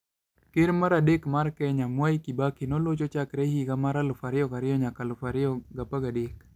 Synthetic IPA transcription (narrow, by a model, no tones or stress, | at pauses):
kɪɾmaɾadekmarkɛɲamwajkibakinɔlot͡ʃɔt͡ʃakɾɛhiɡamaɾalʊfaɾɪɔkaɾɪjɔɲakalʊfaɾɪɔɡapaɡadek